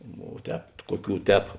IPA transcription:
ʋoː ˈtʲɛːp ˈkuɔˌkʲuː ˈtʲɛːp

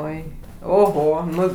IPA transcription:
ˈoːɪ oːˈɣoː ˈnʊ

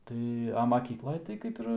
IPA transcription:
ˈtɐɪ ɐ mɐˈkʲiːklˠɐj tɐɪ ˈkɐɪp ɪr

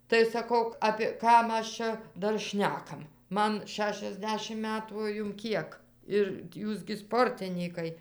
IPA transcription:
tɐɪ sɐˈkɐʊ ˈɑːpʲeː ˈkɐm ˈɐʃ ˈt͡ʃʲɛ ˈdɐr ˈʃʲnʲæːkɐm ˈmɐn ˌʃʲæːʃʲɛzʲˈdʲæːʃʲɪm ˈmʲæːtuː oː ˈjʊm ˈkʲiɛk ɪr ˈjuːs ɡʲɪ ˈspoːrʲtʲɪnʲiːkɐɪ

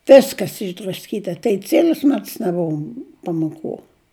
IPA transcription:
ˈʋʲɪskɐs ɪʒdrɐsʲˈkʲiːtɐ tɐɪ ˈt͡sʲiɛlʲʊs ˈmʲɛts nʲɛˈbʊʋoː pɐmoːˈkuː

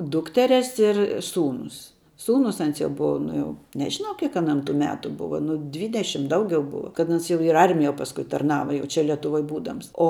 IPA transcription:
ˈdʊktʲɛrʲɛs ɪr ˈsuːnʊs ˈsuːnʊs ˈɐns jɛʊ ˈbʊʋɐ ˈnʊ jɛʊ nʲɛʒʲɪˈnɐʊ ˈkʲiɛk ɐˈnɐm tuː ˈmʲæːtʊ ˈbʊʋɐ ˈnʊ ˈdʲʋʲiːdʲɛʃʲɪm ˈdɐʊɡʲɛʊ ˈbʊʋɐ kɐt ˈɐns jɛʊ ɪr ɪ ˈɐrʲmʲɪjoː pɐsˈkʊɪ tɐrˈnɑːʋɐ jɛʊ ˈt͡ʃʲɛ lʲiɛtʊˈʋoːj ˈbuːdɐms oː

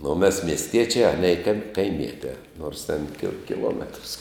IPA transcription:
nʊ oː mʲɛs mʲiɛsʲˈtʲiɛt͡ʃʲæː ˈɑːnʲiɛ kɐɪ kɐɪmʲiɛtʲæː noːrs tʲɛn kʲɪ kʲɪˈlˠoːmʲɛtrs

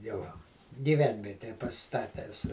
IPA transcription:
ˈjɛʊ ɡʲiːˈʋʲɛnʲʋʲiɛtʲɛjɛ pɐˈsʲɪstɐtʲæːs

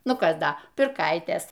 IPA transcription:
ˈnʊ ˈkɐs ˈdɐ pʲɪrˈkɐɪtʲeːs

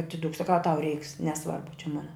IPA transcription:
ɐtʲɪˈdʊk sɐˈkɐʊ ɐ tɐʊ rʲɛɪks nʲɛˈsʋɐrbʊ t͡ʃʲɛ ˈmoːnɐ

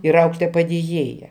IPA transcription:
ɪr ˈɐʊklʲeːtoːjɛ pɐdʲeːˈjeːjɛ

